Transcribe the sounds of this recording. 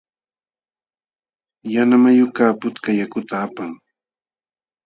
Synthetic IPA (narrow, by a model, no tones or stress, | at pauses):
janamajʊkaːpʊt̪kajakʊt̪aːpaŋ